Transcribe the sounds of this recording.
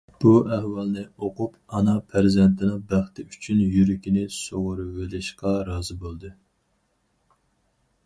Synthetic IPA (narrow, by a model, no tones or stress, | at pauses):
b̥uʔæhvɑlˠnɪoqʰʊpɑnɑpʰæɾzɛnt̪ʰɪnɨŋbæχt̪ɪyt͡ʃʰynjyɾɪkʲinɪsoʁʊɾɨwelɪʃqɑɾɑːzɨbolˠd̪ɨ